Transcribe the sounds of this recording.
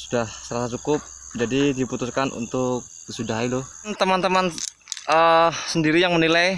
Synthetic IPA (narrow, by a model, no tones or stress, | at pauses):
sudahsəɾasat͡ʃukʊp̚ | d͡ʒadidiput̪uskanʔṵnt̪ʊk̚ | əsudaɦilo | nt̪əmant̪əman | əsəndiɾijaŋmənilaj